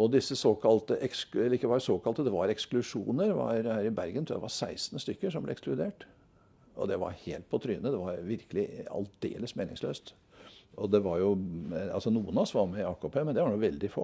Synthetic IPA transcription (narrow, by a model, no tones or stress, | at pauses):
ɔd̪ɪsːəsoːkʰɑlt̪əʔɛksɛɪkːəʋɑɾsoːkɑlt̪əd̪ɛʋɑɾɛksklʉʂṵːnəɾʋɑ̰ɾhæːɾɪbæɾɡənʰɾd̪ɛ̰ʋɑɾsæɪsn̩st̪ʏkːəʂɔmblɛ̰ɛksklʉd̪eːʈ | ɔ̰d̪ɛʋɑ̰ɾhḛːlt̪̚pʰɔt̪ʰɾʏːənəd̪ɛʋɑɾʋɪɾkəlɪɑ̰ld̪ḛːləsmeːnɪ̰ŋslø̰ːst̪ | ɔd̪ɛʋɑɾjʊɑ̰lsɔnuːənɑsʋɑɾmɛɑːkopʰeːmɛnd̪ɛʋɑɾɖuʋɛld̪ɪfo̰ː